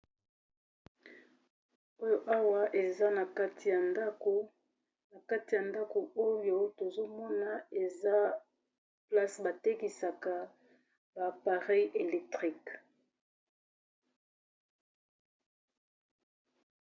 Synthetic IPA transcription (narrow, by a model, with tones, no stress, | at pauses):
o˦jo˦ʔa˦wa˦ʔe˨za˦na˨ka˦ti˨ja˨nda˦ko˨ | na˨ka˦ti˨ja˨nda˦ko˨o˦jo˦to˨zo˦mɔ˦na˨e˨za˦ | pla˦sba˨te˦ki˨sa˨ka˨ | ba˨pa˨ʁɛ˦je˨lɛ˨k̚tʁi˦k